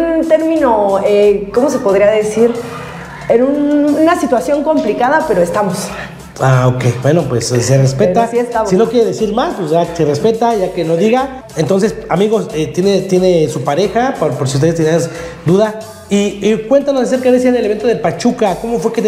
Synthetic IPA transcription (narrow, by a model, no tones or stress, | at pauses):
unt̪e̞ɾmĩnoekomo̞s̬e̞po̞ðɾiaðe̞siɾ | enununasit̪wasjo̞ŋko̞mplikaðape̞ɾoest̪amos | aokejbwe̞no̞pwe̞sserespe̞t̪aasiest̪amsino̞kjeɾe̞ðesiɾmasposʝaserespe̞t̪aʝake̞no̞ðiɣaent̪o̞ns̬e̞samiɣo̞set̪jenet̪je̞ne̞supaɾe̞xapoɾpoɾsiust̪eðst̪enead̪uða | ikwe̞nt̪anosaseɾkeðesianeleβe̞nt̪oelpat͡ʃukako̞mo̞fwe̞ke